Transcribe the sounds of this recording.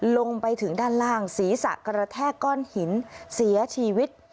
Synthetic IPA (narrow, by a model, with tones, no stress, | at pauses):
lo˧ŋpa˧jt̪ʰɯ˩˦ŋdaː˥˩nlaː˥˩ŋsiː˩˦sa̰˨˩ʔkɾa˧t̪ʰɛː˥˩kɔː˥˩nhi˩˦nsi˩˦ɐt͡ɕʰiː˧wi˦˥t̪̚